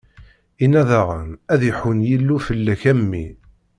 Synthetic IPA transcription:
inæðaʁənæðjəħwənjilːufəlːæçæmːḭ

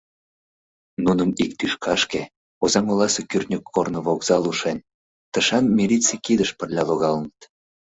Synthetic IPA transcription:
nunəmik̚t̪yʃkʰɑʃke | ozɑmolɑsəkyrʲt̪nʲəkʰːornə̆βoɣz̥ɑluʃenʲ | t̪əʃɑnmelʲit͡sekid̪əʃpərlʲɑloɣɑlənət̪

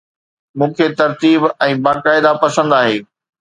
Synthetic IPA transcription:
mũːkʰet̪ɐɾt̪iːbɛ̃ːbaːkaːɪd̪apɐsə̃nd̪aːɦeː

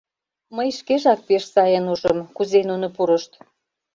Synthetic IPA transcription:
məjʃkeʒɑk̚peʃsɑjənuʒəmkuzenunopuɾə̆ʃt̪

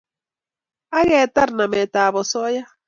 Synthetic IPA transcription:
aɣet̪aɾnamet̪aːβosoja

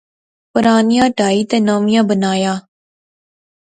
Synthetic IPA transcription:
pʊɾaːnijãːɖʱaːiːt̪eːnaːmɪjãːbənaːjaː

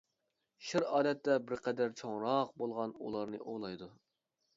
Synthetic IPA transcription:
ʃɪɾɑːlɛt̪ːɛbɪɾqʰɛd̪æɾt͡ʃʰoŋɾɑq̚bolˠʁɑnṵlˠɑɾnɨʔolˠɑjd̪u

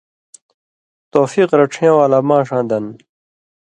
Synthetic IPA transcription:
t̪oːfiːqɾɐʈ͡ʂʰjãwaːlamãːʂãːd̪ɐn

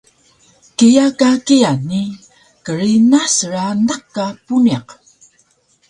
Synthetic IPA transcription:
kijakakijani | kəɾinasəɾanakːapuniq

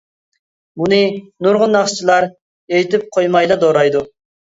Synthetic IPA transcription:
bunɨnuɾʁʊnːɑχt͡ʃʰilˠɑɾ | ejt̪ʰɪp̚qʰojmɑjlˠɑd̪oɾɑjd̪u

